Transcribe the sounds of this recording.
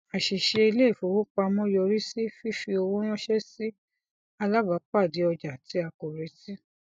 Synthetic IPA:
a˨ʃi˨ʃe˧i˧le˦˨fo˨wo˦k͡pa˧mɔ̃˦jɔ˧ɾi˦si˦fi˦fi˧o˧wo˦w̃ɔ̃˦ʃɛ˦si˦ | a˧la˦ba˨˦k͡pa˦˨di˨˦ɔ˧d͡ʒa˨ti˨˦a˧ko˨ɾe˨˦si˦

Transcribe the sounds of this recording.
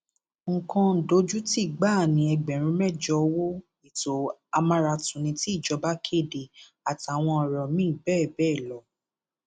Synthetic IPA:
ŋ̩˨kɔ̃˧n̩˨do˨˦d͡ʒu˦ti˦˨ɡ͡ba˦˨nĩ˨˧˦ɛ˧ɡ͡bɛ˨ɾ̃ũ˧˦mɛ˦˨d͡ʒɔ˧˦wo˦ | i˨to˨a˧mã˧ɾa˧tũ˨nĩ˧ti˦˨d͡ʒɔ˧˦ba˦kʰe˦˨de˨ | a˨ti˨a˨w̃ɔ̃˧ɔ˨ɾɔ˨mĩ˦˨bɛː˦˨bɛː˦˨lɔ˨˦

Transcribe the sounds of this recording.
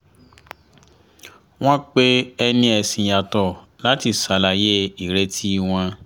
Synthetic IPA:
w̃ɔ̃˦k͡pe˦ɛ˧nĩ˧ɛ˧sĩ˧˨ja˧tɔ˦˨ | la˨˦ti˦˨sa˨˦la˨˧je˦i˨ɾe˨˦tʰi˦˧w̃ɔ̃˧

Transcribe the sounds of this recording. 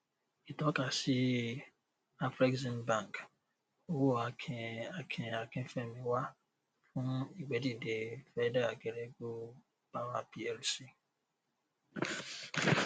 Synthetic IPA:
i˨tɔ˦ka˨si˦ | a˦fɾi˦kzĩ˦nbã˦˨ŋk | o˦wo˦a˨a˨kʰe˨a˨ke˦fe˨mi˨wa˦ | fʊ̃˦i˨ɡ͡be˨di˨de˨fɛ˦da˦a˨ɡe˨ɾe˦ɡo˦ | b̥a˦wa˦pi˦ɛ˨lsi˦˨

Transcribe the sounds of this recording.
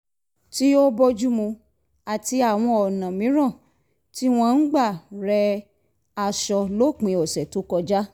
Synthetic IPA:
ti˦o˦bɔ˧d͡ʒu˦mũ˧ | a˨ti˧a˨w̃ɔ̃˧ɔ˨nã˨mĩ˨˦ɾ̃ã˦˨ | ti˦w̃ɔ̃˧n̩˦ɡ͡ba˦˨ɾɛ˧ | a˧ʃɔ˧lo˦˨k͡pĩ˨˧ɔ˨sɛ˨to˨˦kɔ˧d͡ʒa˦

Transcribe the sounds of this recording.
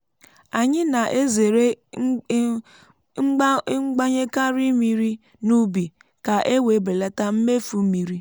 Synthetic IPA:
a˨ɲɪ˦na˨ʔe˦ze˨ɾe˦ | ŋ͡m̩˦ŋ͡mɡ͡ba˦ɲe˦ka˦ɾi˦mi˦ɾi˦ | nu˦bi˨ | ka˨ʔe˦we˨˦be˨la˦ta˦m̩˦me˦fu˨˦mi˨ɾi˦

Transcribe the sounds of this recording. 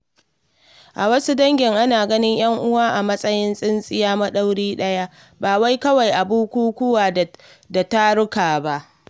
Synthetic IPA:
ʔa˨wɐ˦su˦dɐ˦ŋɡʲɪ˨ŋʔa˦naː˨ɡɐ˦nɪ˦ɲj̰ɐ˦ŋʔʊ˦waː˦ʔa˨mɐ˦sʼɐ˦jɪ˦nsʼɪ˦nsʼɪ˦jaː˦mɐ˦ɗa˦wɽiː˦ɗɐ˦ja˦ | baː˨wa˦jkɐ˦wa˨jʔa˨buː˦kʷuː˦kʷʊ˦waː˨ | da˨ta˦ɽʊ˦kaː˨ba˦ʔ

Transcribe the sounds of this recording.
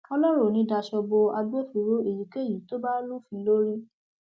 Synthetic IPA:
ɔ˧lɔ˦ɾo˦˨nĩ˧˦da˧ʃɔ˧bo˧a˧ɡo˦fi˨˦ɾo˦e˦˨ji˨ke˦˨ji˨to˦ba˦lu˦˨fĩ˧lo˦ɾi˦

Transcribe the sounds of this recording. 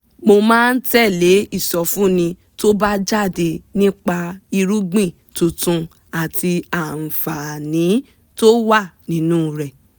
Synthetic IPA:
mo˧mãː˦˧n̩˦tɛ˦˨le˨˦i˦˨sɔ˧fũ˦nĩ˧ | to˦ba˦d͡ʒa˦˨de˧nĩ˦k͡pa˧i˧ɾu˦ɡ͡bĩ˦˨ | tũ˧tũ˧ | a˨ti˧a˨n̩˨fa˨nĩ˨˦ | to˦wa˦˨nĩ˨˦nũ˦ɾɛ˨

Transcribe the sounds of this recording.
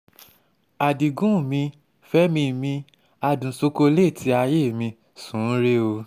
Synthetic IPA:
a˨di˨ɡũ˦˨mĩ˧ | fɛ˦mĩ˧˨mĩ˧ | a˧dũ˨so˧ko˧le˦˨tʰi˧˦a˧je˦˨mĩ˧ | sũ˨˦n̩˦ɾe˦o˧

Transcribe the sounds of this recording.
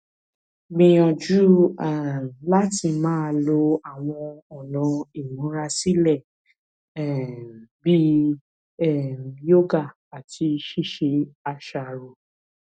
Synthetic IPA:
ɡ͡bĩ˧jɔ̃˧d͡ʒu˦a˨la˦ti˧˨mãː˦˧lo˧a˨w̃ɔ̃˧ɔ˨lɔ̃˨˧i˦˨nũ˨˦ɾa˧si˦lɛ˦˨ | bi˦ | ɛ˦˨jo˦ɡa˦˨ | a˨tʰi˧ʃi˦˨ʃe˧a˧ʃa˨ɾo˨

